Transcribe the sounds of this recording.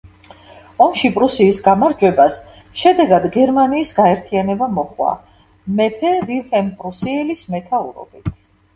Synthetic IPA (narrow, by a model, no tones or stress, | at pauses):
ɔmʃipʼɾusiːsɡamaɾd͡ʒwɛbas | ʃɛd̪ɛɡad̪ɡɛɾmaniːsɡaɛɾt̪ʰianɛbamɔχwa̰ | mɛpʰɛvilhɛnpʼɾusiɛlismɛt̪ʰauɾɔ̰bit̪ʰ